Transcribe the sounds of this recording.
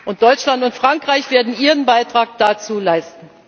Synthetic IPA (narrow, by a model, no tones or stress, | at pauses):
ʔʊnt̚d̥ɔʏt͡ʃlantʊntfʁ̥aŋkʁ̥aɪçv̥eːɐdn̩ʔiːʁənbaɪtʁ̥aːk̚d̥at͡suːlaɪstn̩